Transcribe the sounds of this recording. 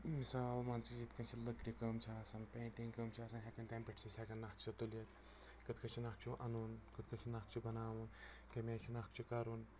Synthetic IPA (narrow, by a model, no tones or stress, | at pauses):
misaːlmɐnt͡sid͡ʒit̪kɐnt͡ʃʰilɐkɾikɐmt͡ʃʰasɐnpẽːɳʈiŋkɐːmt͡ʃʰaːsɐnɦʲekɐnt̪ʲempʲɐʈʰt͡ʃʰisʲekɐnːɐk̚t͡ʃʰit̪uljɐt̪ | kɨt̪̚kʰɐt͡ʃʰinaːk̚t͡ʃʰuʔɐnuːnkɨt̪kʰɐt͡ʃʰinɐk̚t͡ʃʰibɐnaːʋun | kɐmʲaːt͡ʃʰinɐk̚t͡ʃʰikaɾun